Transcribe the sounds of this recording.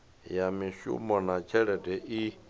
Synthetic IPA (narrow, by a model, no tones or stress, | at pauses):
jamĩɕṵmɔnat͡ʃʰɛɾɛdɛʔi